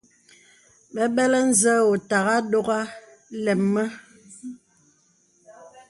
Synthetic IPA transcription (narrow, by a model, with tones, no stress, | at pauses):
ɓɛ˦ɓɛ˦lɛ˦n̩˦zə˦wo˨ta˨ɣa˦do˦ɣa˦ | lɛ˨mːə˦